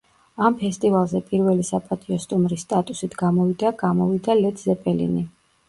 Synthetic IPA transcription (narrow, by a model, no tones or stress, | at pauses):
ampʰɛst̪ʼivalˠzɛpʼiɾvɛlisapʼat̪ʼiɔst̪ʼumɾisːt̪ʼat̪ʼusit̪ʰɡamɔvid̪aɡamɔvid̪alɛd̪ʰzɛpʼɛlḭni